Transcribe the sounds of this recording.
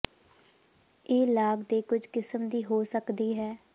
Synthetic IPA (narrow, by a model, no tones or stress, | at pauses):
eːlaːɡd̪eːkʊd͡ʒʱkɪsəmd̪iːɦoːsəkd̪iːɦɛː